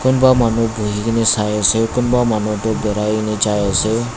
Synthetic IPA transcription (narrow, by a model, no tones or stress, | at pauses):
kunbamanubʱuɦikinesajɔsewkunbamanɔʈodɔɾajnet͡ʃajɔsew